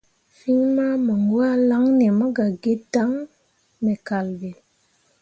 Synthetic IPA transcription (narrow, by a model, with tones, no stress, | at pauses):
fi˦ɲma˦mə˨ŋɡu˦a˦la˦ŋne˨mə˦ɡa˨ɡe˦da˨˦ŋ | me˨ka˨lbe˨